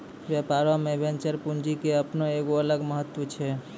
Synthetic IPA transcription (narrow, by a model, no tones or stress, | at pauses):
bjapaɾamebʱent͡ʃəɾpund͡ʒikeəpnoeɡoələɡməɦət̪ːwət͡ʃʰɛ